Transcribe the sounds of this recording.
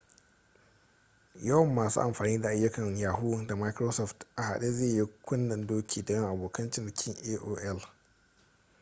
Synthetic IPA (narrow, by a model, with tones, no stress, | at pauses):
jɐ˦wɐ˨mːaː˨sṵ˦ʔa˨mɸaː˨niː˦da˨ʔa˨jːʊ˦kɐ˨ŋjaː˨ɦuː˦da˨ma˦jkɾoː˦sɔ˦˨ftʔa˨ha̰˨ɗe˦zeː˦˨ji˦kʷʊ˦nːɐ˨ndoː˦kʰʲiː˨dɐ˨jɐ˦ŋʔa˨boː˨kɐ˦nt͡ʃɪ˦˨n˨kʲʰɪ˦ŋʔeː˦ʔoː˦ʔɛ˦l